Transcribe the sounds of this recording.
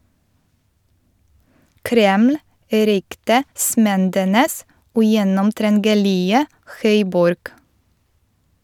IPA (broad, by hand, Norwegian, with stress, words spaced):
ˈkɾɛml̩ ˈɾʏktəˌsmɛndənəs ʉˈjɛnɔmtɾɛnɡəˌlɪə ˈxœʏˌbɔɾɡ